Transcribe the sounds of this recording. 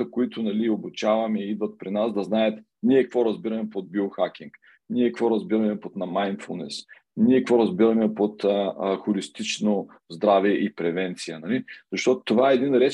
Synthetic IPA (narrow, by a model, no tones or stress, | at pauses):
əkʊit̪ʊnɐliobut͡ʃavɐmɛid̪vɐt̪̚pɾinasd̪ɐznaət̪ | nʲiɛkkvɔɾɐzbiɾɐmɛpod̪̚bioxakʲiŋk | niɛkvɔɾɐzbiɾɐmɛpot̪nɐmajnfṵlˠnɛ̰s | niɛkvɔɾɐzbiɾɐmɛpot̪əxʊlist̪it͡ʃno | zd̪ɾavɛʔipɾɛvɛnt̪sijənɐliz̥ɐʃt̪ɔt̪o̥t̪ovaɛːd̪inɾɛ